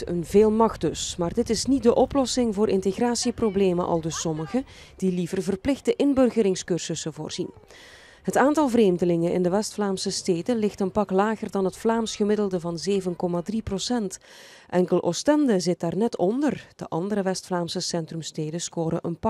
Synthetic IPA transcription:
ə̰nveːlˠmɑxt̚dɵsmaːrdɪtɪsnit̚dəʔɔplɔsɪŋvʊːɾʔɪnteɣraːtsiprobleːməʔɑ̰lˠdɵsɔməɣə | d̥ilivərvərplɪxtəʔɪnbɵrɣəɾɪŋskɵrz̥əsəvo̰ːrz̥in | ɦətaːntɑlˠvreːmdəlɪŋənʔɪ̰ndəʋɛstflaːmsəsteːdəlɪxtənpɑklaːɣərdɑnɦətflaːmsxəmɪdəlˠdəvɑnzeːvənkɔmadriprosɛnt | ʔɛŋkəlˠʔɔ̰stɛndəzɪt̚daːrnɛtʰɔndərd̥ə̰ʔɑndəɾəʋɛstflaːmsəsɛntrəmsteːdəskoːɾəʔənpɑ

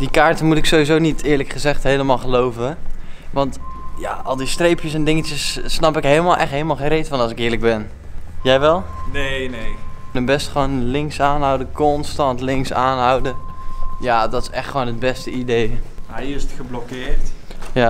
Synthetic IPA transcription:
dikaːɹtəmutɪksowʋizownitɪːɹləkχəzɛχtɦejləmaːlˠχəlowvənʋɑntja̰ʔɑlˠdistrejpjəsɛndɪŋət͡ʃəsːnɑpɪkɦejləmalˠʔɛχtɦeləmalˠχejnrejtfɑnɑlˠs̬ɪkɪːɹləɡ̚bɛn | jɛjʋɛlˠ | nenejnəbɛstχʋoːnlɪŋksaːnɦʌwdəkɔnstɑntlɪŋksaːnɦʌwdəjadɔtɪsɛχtχəʋoːnəd̚bɛstəidejɛjɪstxəblɔkɪːɹtja

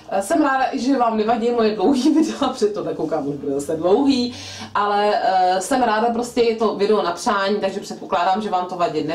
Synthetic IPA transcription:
sɛmɾaːdaʔɪʒɛvaːmnɛvaɟɛjmojɛdlowɦiːvɪdɛapr̥ɛt̪t̪ːonakowkaːmʔuʒbudɛzasɛdlo̞wɦiː | ʔalɛsɛmɾaːdap̬ɾoscɛjɛt̪o̞vɪdɛonapr̥aːɲiːt̪aɡʒɛpr̝̥ɛt̪̚po̞klaːdaːmʒɛvaːmt̪ovaɟɪnɛ

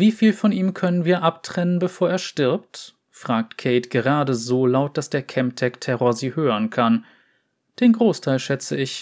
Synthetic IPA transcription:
viːfiːlfɔniːmkʰœnənviːɐʔap̚tʁ̥ɛnənbəfoːɐeːɐʃtɪɐpt | fʁ̥aːk̚tkʰɛɪtɡ̥əʁaːdəzoːlaʊt̚d̥asd̥eːɐkʰɛmptʰɛktʰɛʁoːɐziːhøːʁənkʰan | d̥eːnɡʁoːstʰaɪlʃɛt͡səɪç

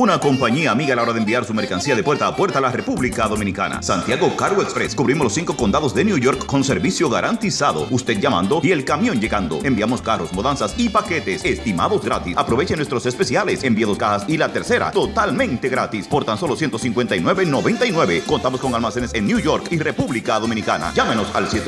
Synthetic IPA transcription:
unako̞mpaɲiaːmiɣaːlaoɾaðembiaɾsume̞ɾkansiaðepweɾt̪aːpwe̞ɾt̪alarepuβlikaðo̞mĩnika̰na̰sant̪jaɣo̞kaɾwoekspɾeskuβɾimoslosiŋkoko̞nd̪aðozðenjuʝo̞ɾkːo̞nseɾβisjo̞ɣaɾʔant̪isaðo̞̰ust̪ed̪̚ʝamã̰nd̪o̞ie̞lkamjo̞nd͡ʒe̞ɣand̪o̞̰e̞mbiamo̞skaro̞smoðansasipaket̪esest̪ima̰ðozɡɾa̰t̪isapɾo̞βet͡ʃenwest̪ɾo̞sespe̞sjalesembjeðoskahasilat̪eɾse̞ɾa̰t̪o̞t̪almẽ̞nt̪eɣɾat̪ispo̞ɾt̪anso̞losjent̪o̞siŋkwe̞nt̪ainwe̞βeno̞βent̪ainwe̞βe̞kont̪amosko̞ŋalmase̞nesennjuʝo̞ɾkirepuβlikaðo̞mĩnika̰na̰ɟ͡ʝameno̞sa̰lsjet̪

